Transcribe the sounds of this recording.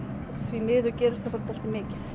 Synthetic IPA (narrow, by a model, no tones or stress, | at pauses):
θvimɪːðʏɾcɛːɾɪst̪afaɾt̪ʰal̥t̪ɪmɪːcɪθ